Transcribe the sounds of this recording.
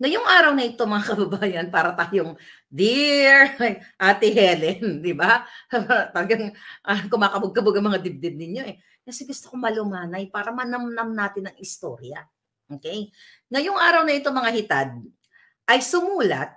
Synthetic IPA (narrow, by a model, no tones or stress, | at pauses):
ŋɐjoŋʔaːɾɐwnɐʔɪt̪o̞mɐŋakɐbɐbaːjɐnpaːɾɐt̪aːjoŋ | d̪iɹʔaːt̪ɪɦɛlɛnd̪ɪba | t̪ɐlɐɡaŋʔɐkʊmaːkɐboɡ̚kɐboɡɐŋmɐŋad̪ɪb̚d̪ɪb̚nɪɲjo̞ʔɛ | kɐsɛɡʊst̪okomɐlʊmaːnɐjpaːɾɐmɐnɐmnɐmnaːt̪ɪnɐŋɪst̪o̞̰ɾjɐ | ʔoːkɛj | ŋɐjoŋʔaːɾɐwnɐʔɪt̪o̞mɐŋahɪt̪ad̪̚ | ʔɐjsʊmuːlɐ̰t̪̚